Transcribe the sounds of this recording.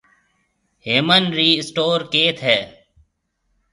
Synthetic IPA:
ɦeːmənɾiːɪsʈoːɾkeːt̪ʰɦɛː

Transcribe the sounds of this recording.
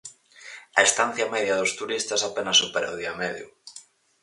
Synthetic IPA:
ɐest̪an̟θjɐmɛðjɐðʊst̪uɾist̪asapenasːupeɾaoðiɐmeðjṵ

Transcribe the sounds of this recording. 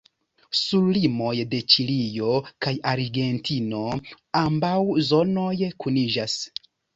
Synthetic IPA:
sulːimo̞jde̞t͡ʃilijo̞kajaɾɡe̞ntʰino̞ | ambawzo̞no̞jkʰunid͡ʒas

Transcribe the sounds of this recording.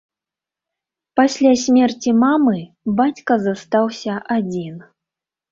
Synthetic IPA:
pasʲlʲasʲmʲɛrt͡sʲimamɨ | bat͡sʲkɐzast̪awsʲɐʔad͡zʲin

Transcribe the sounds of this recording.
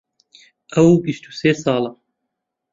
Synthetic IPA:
ʔɐwbiʃt̪u̥seːsɑːlɐ

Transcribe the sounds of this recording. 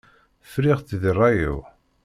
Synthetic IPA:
fɾiʁθðrˤːɑjṵ

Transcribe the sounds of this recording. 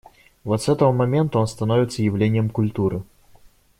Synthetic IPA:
vɔt̪sɛt̪əvəmɐmʲɛnt̪ʊɔnst̪ɐnɔvʲɪt̪sːəjɪvlʲenʲɪjəmkʊlʲt̪uɾɨ

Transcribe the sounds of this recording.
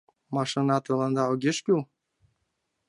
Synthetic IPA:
mɑʃɤnɑt̪ɤ̆lɤ̆nd̪ɑoɡʲeʃkʲyl

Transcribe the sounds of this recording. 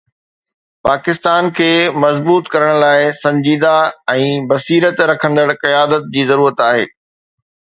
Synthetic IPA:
paːkɪst̪aːnkʰeːmɐzbuːt̪kɐɾəɽ̃laːɪsɐ̃ɲd͡ʑiːd̪aɛ̃ːbɐsiːɾət̪ɾɐkʰə̃nd̪əɽqɐjaːd̪ət̪̚d͡ʑiːzɐɾuːɾət̪aːɦḛː

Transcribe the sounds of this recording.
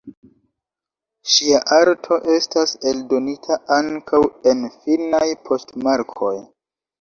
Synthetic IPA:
ʃiaʔaɾtʰo̞ʔe̞stase̞ldo̞nitʰaʔaŋkʰawe̞nfinajpʰo̞stmaɾkʰo̞j

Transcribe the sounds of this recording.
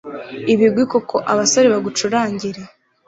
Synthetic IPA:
iβibɡwikokʰo̞ʔaβasoɾeβaɡut͡ʃuɾaːɲɟiɾe

